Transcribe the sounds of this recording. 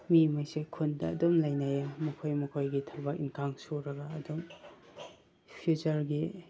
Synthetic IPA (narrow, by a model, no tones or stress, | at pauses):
mimajsekʰundɐ̰ːdumlajnajamɐkʰojmɐkʰojɡitʰɐbak̚inkʰaŋsoɾɐɡɐːdum | pʰiut͡ʃɐɾɡi